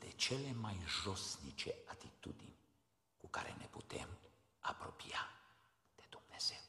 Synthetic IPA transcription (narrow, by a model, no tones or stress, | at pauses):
d̪ɛt͡ʃɛlɛmajʒosnit͡ʃɛat̪it̪ṵd̪im | kuka̰ɾɛ̰nɛput̪ɛ̰m | apɾopija | t̪ed̪uknɛsɛ